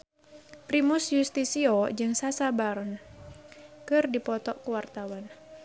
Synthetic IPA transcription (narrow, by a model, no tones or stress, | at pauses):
pɾimʊsjust̪isiɔd͡ʒɨŋsasabaɾɔn | kɨrdipɔt̪ɔkuwart̪awan